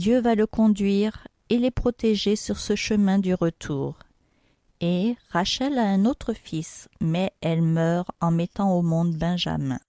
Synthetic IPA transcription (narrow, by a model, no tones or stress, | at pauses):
d̪jøvaləkɔ̃d̪ɥiʁ | elepχɔt̪eʒesyʁsəʃəmɛ̃d̪yʁət̪ʰuːʁ | eʁaʃɛlaɛ̃not̪χəfismɛɛlmœʁɑ̃mɛt̪ɑ̃omɔ̃d̪bɛ̃ʒa̰mɛ̰̃